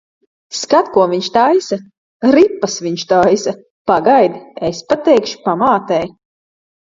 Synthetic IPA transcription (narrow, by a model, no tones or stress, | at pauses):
skat̪kuɔviɲʃt̪ajsa | ɾipːasviɲʃt̪ajsa | paɡajd̪espat̪ɛjkʃpamaːt̪ɛj